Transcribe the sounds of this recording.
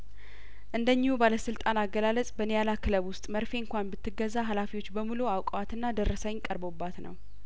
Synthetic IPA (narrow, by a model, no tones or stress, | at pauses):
ʔɨnd̪əɲːɪhubaləsɨlt̪ʼanaɡəlalət͡sʼbənejalakʰɨləβwʊst̪ʼməɾfe̞ɨŋkʷanbɨt̪ʰːɨɡːəzːaɦalafiwo̞t͡ʃːbəmuluawkʼwat̪ɨnːad̪əɾːəsəɲkʼəɾbobːat̪nə̰w